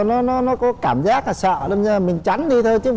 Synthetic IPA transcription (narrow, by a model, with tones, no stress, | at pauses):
nɔ˨˦nɔ˨˦nɔ˨˦kɔ˨˦kaː˧˩mzaː˦˥k̚a˨˩sə̰ː˧˨ɗə˧zəː˧˩˨mï˨˩ŋ̟t͡ɕa˨˦ŋ̟ɗi˧t̪ʰəː˧jt͡ɕɨ˦